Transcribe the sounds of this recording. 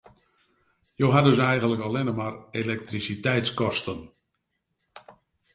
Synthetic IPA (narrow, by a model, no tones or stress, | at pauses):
jowɦadøsɛjɣənləkɔlɪnəmarelɛk̚trisitɛjtskɔstən